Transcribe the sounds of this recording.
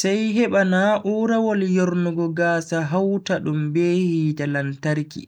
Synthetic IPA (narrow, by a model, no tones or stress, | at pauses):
sajɦɛɓanaʔuːɾawɔljoɾnuɡɔɡaːsaɦawtaɗumbeːhidalantaɾkḭ